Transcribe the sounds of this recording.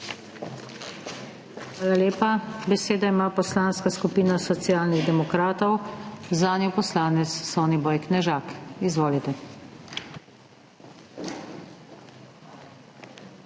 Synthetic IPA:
xʋaːlaleːpabɛseːd̪aimaːpɔslaːnskaskupiːnasɔt̪siaːlniɣd̪ɛmɔkɾaːt̪ɔwzaːnjɔpɔslaːnɛt̪sːɔwnibɔːjknɛʒaːkizʋoːlit̪ɛ

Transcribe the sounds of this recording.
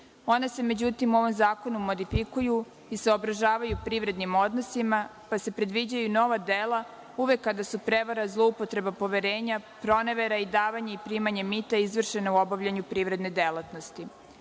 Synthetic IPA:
o̞nese̞me̞d͡ʑut̪imuo̞ʋo̞mzaːko̞numo̞d̪ifikuju | iseo̞bɾaʒaːʋajupɾiːʋɾe̞d̪nimo̞d̪no̞simapase̞pɾe̞d̪ʋid͡ʑajuno̞ʋad̪eːlˠa | uʋe̞kːad̪asupɾe̞ʋaɾazlˠo̞upo̞t̪ɾe̞bapo̞ʋe̞ɾeːɲapɾo̞neʋe̞ɾaid̪aːʋaɲe̞ipɾiːmaɲemit̪aizʋr̩ʃe̞nauo̞baʋʎaɲupɾiːʋɾe̞d̪ne̞d̪e̞lˠat̪no̞st̪i

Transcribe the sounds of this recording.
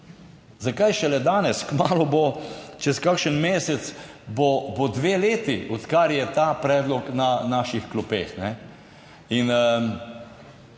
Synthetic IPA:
zakajʃɛlɛd̪aːnɛskmaːlɔbot͡ʃɛskakʃənmeːsɛt̪sbobod̪ʋeːleːt̪iʔɔt̪kaɾjɛt̪aːpɾɛːd̪lɔknanaːʃixklupḛːxnɛ | in

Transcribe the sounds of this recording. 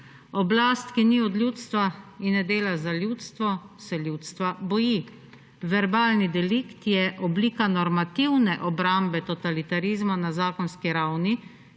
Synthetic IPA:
ɔblast̪kiniɔd̪lʲjuːt̪st̪ʋainːɛd̪eːlazaljut̪st̪ʋɔsɛljuːt̪st̪ʋabɔji | ʋɛɾbaːlnid̪ɛlikt̪jɛʔɔbliːkanɔɾmat̪iwnɛʔɔbɾambɛt̪ɔt̪alit̪aɾizmanazaːkɔnskiɾawni

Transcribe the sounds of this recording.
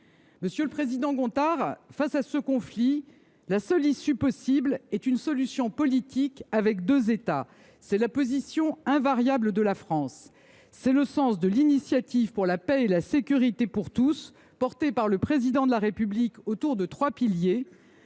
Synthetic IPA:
məsjøləpχezid̪ɑ̃ɡɔ̃t̪aʁfasasəkɔ̃fli | lasœlisypɔsiblɛt̪ynsɔlysjɔ̃pɔlit̪ʰikavɛkd̪øzet̪a | sɛlapozisjɔ̃ɛ̃vaʁjabləd̪əlafχɑ̃sː | ɛləsɑ̃sd̪əlinisjat̪ivpuʁlapɛelasekʲyʁit̪epuʁt̪us | pɔʁt̪epaʁləpχezid̪ɑ̃d̪əlaʁepyblikot̪uʁd̪ət̪χwapilje

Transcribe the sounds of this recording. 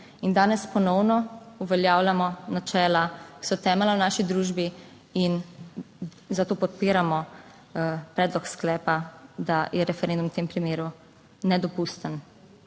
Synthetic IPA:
ind̪aːnɛspɔnɔwnɔuʋɛljaːwlamɔnat͡ʃɛːlaki̥sɔt̪ɛːmɛlawnaːʃid̪ɾuːʒbi | in | zat̪oːpɔt̪piːɾamɔ | pɾɛːd̪lɔksklɛːpad̪ajɛɾɛfɛɾẽnd̪umwt̪eːmpɾimeːɾu | nɛd̪ɔpust̪ən

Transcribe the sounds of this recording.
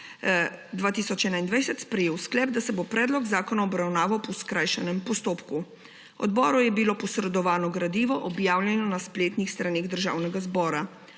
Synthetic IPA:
d̪ʋaːt̪iːsɔt͡ʃɛːnaind̪ʋajsɛt̪spɾɛjeːwsklɛːb̚d̪asɛbopɾɛːd̪lɔɡzaːkɔnaɔbɾawnaːʋawpɔwskɾajʃɛnɛmpɔst̪oːpku | ɔ̰d̪bɔːɾɔjɛbilopɔsɾɛd̪ɔʋaːnɔɡɾad̪iːʋɔʔɔbjaːwljɛnɔnaspleːt̪nixst̪ɾaneːɣd̪əɾʒa̰ːwnɛɡazbɔːɾa

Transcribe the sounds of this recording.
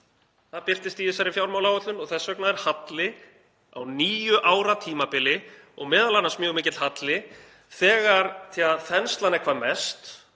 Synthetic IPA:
θaðpɪr̥t̪ɪst̪iðɪsaɾɪfjawɾmawlawœt̪lʏnɔɣθɛsœknaðɛɾ̥hat̪lɪ | a̰wniːjʏʔaːwɾat̪ʰiːmapɪlɪ | ɔɣmɛːðalanasmjœːɣmɪːcɪt̪hat̪lɪ | θɛːɣaɾθjaθɛnst̪lanɛɾkʰvaːmɛst̪

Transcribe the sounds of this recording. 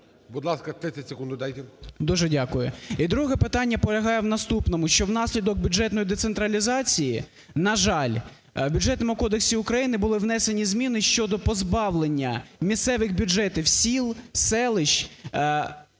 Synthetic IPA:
bʊd̪lˠɑskɐt̪ɾɪɐtʲsʲekund̪ʊd̪ajt̪ɛd̪uʒɛdʲakʊjʊid̪ɾuɦɛpɪt̪ɑnʲːɐpɔlʲɐɦɑjɛwnɐst̪upnɔmʊʃt͡ʃɔwnɑsʲlʲid̪ɔɡ̚bʲʊd͡ʒɛt̪nɔjd̪et̪sent̪ɾɐlʲizɑt͡sʲiji | nɐʒɑlʲ | wbʲʊd͡ʒʐɛt̪nɔmʊkɔd̪eksʲiʊkɾɐjinɪbʊlˠɪwnɛsenʲizmʲinɪʃt͡ʃɔd̪ɔpɔzbɑwlˠenʲːɐmʲissɛʋɪxbʲʊd͡ʒɛt̪ɪwsʲilˠsɛlˠɪʃ

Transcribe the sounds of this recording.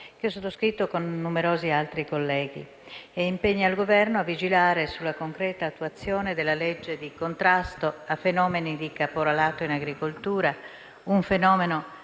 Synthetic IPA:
k̟eɔsːot̪ːoskɾit̪ːokonːumeɾoːzialt̪ɾikolːɛːɡḭ | eimpeɲːaːlɡovɛrnoavːid͡ʒilaːɾesulːakoŋkɾɛːt̪aːt̪ːuat̪sːjoːned̪elːaled͡ʒːed̪ikont̪ɾast̪oafːenɔːmenid̪ikapoɾalaːt̪oinaɡɾikolt̪uːɾa | uɱfenɔːmeno

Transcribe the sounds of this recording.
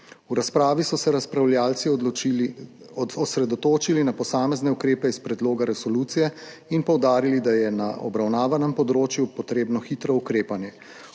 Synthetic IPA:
uɾaspɾaːʋisɔsɛɾaspɾawljaːlt̪si | ɔsɾɛd̪ɔt̪oːt͡ʃilinapɔsaːmɛznɛukɾeːpɛispɾɛd̪loːɡaɾɛsɔluːt̪sijɛ | inpɔwd̪aːɾilid̪ajɛnaʔɔ̰bɾawnaːʋanɛmpɔd̪ɾoːt͡ʃjupɔt̪ɾeːbnɔxiːt̪ɾɔukɾeːpanjɛ

